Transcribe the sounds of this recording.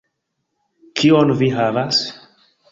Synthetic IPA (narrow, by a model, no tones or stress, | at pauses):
kʰionviɦavas